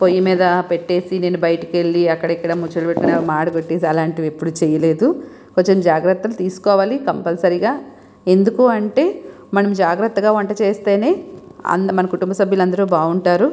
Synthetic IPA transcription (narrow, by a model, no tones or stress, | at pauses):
pojːɐmiːd̪ɐpeʈːe̞ːsine̞ːnubɐjɐʈɐ̥keɭːiɐkːɐɽɐikːɐɽɐmut͡ʃɐlɐbeʈːkuneːmaːɽɐɡoʈːeːsiɐlaːɳʈiʋepːuɽut͡ʃɛːjɐle̞ːd̪u | koɲt͡ʃemd͡ʒaːɡɾɐt̪ːɐlut̪iːsu̥kɔːʋaːlikɐmpɐlsɐɾiɡaː | e̞nd̪ukoːɐɳʈe̞ː | mɐnɐmd͡ʒaːɡɾɐt̪ːɐɡaːʋɐɳʈɐt͡ʃeːst̪e̞ːne̞ːɐ̰nmɐnɐkuʈumbɐsɐbʱjɐlɐnd̪ɐɾuːbaːuɳʈaːɾu